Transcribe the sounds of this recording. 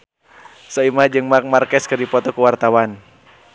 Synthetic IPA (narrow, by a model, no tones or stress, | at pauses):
saimad͡ʒɨŋmamarkɛskɨrdipɔt̪ɔkuwart̪awan